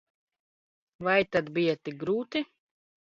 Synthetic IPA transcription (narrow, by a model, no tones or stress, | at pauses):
vajt̪ad̪bijat̪ik̚ɡɾuːt̪i